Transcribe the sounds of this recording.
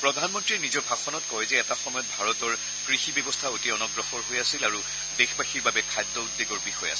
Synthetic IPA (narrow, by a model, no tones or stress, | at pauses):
pɹɔdʱanmɔntɹiɛnizɔɹbʱaɡxɔnɔtkɔjɛzɛɛtaxɔmɔjɔt̚bʱaɹɔtɔɹ | kɹixibɔbɔstʰautiɔnɔɡɹɔxɔɹɦojasilaɹu | dexbaxiɹbabɛkʰajdːɔudːeɡɔɹbixɔja̰s